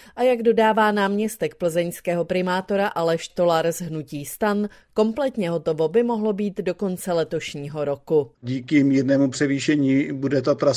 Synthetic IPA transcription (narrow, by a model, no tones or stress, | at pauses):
ʔajaɡdo̞daːvaːnaːmɲɛst̪ɛkpl̩zɛɲskɛːɦo̞pɾɪmaːt̪o̞ɾaʔalɛʃt̪o̞laɾzɦnuciːst̪anko̞mplɛt̪ɲɛɦo̞t̪o̞vo̞bɪmo̞ɦlo̞biːt̪do̞ko̞nt͡sɛlɛt̪o̞ʃɲiːɦo̞ɾo̞kuɟiːkɪmiːɾnɛːmupr̝̥ɛviːʃɛɲiːbudɛt̪at̪ɾa